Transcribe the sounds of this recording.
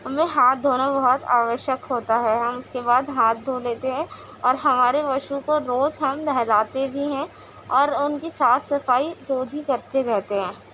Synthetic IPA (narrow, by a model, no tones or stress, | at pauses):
ɦɐmẽɦaːt̪̚d̪ʱoːnabɐɦɔt̪a̰ːʋəʃjəkɦoːt̪aɦɛɦɐmʊskebaːd̪ɦaːt̪̚d̪ʱoːleːt̪eɦɛ̃ː | ɔːɾɦɐmaːɾeʋɐʃukoɾoːd͡ʒɦɐmd̪ʱɛɦlaːt̪ebʱiɦɛ̃ | ɔːɾʊnkisaːt̪ʰsɐfaːiɾoːd͡ʒikɐɾt̪eɾɛɦt̪eɦɛ̃ː